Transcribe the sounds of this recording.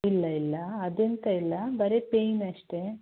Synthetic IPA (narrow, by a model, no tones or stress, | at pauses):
ilːɐilːɐːd̪ent̪ɐilːɐbɐɾe̞pejnɐʂʈe̞